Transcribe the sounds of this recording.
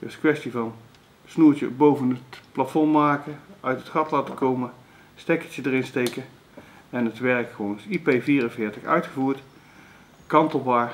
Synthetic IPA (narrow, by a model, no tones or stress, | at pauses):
d̥əskʋɛstivɑn | snuːɹt͡ʃə̰bowvənətplatfɔɹmaːkəœɥtɦətχɑtlaːtəkowmə | stɛkət͡ʃədərɪnstejkə | ɛnɦətʋɛɹkχəʋownɪsipejviːrənvɪːɹtəχœ̰ɥtχəvuːɹt | kɑntəlˠbaːɹ